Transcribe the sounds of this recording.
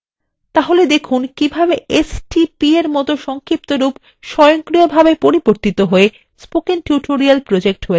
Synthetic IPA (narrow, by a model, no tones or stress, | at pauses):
t̪aɦoled̪ekʰunkibʱabeesʈipieɾmɔt̪oʃɔŋkɾip̚t̪oɾup | ʃɔjoŋkɾijobʱabepoɾiboɾt̪it̪oɦoe | spokeŋʈjuʈoɾialpɾod͡ʑek̚ʈɦoe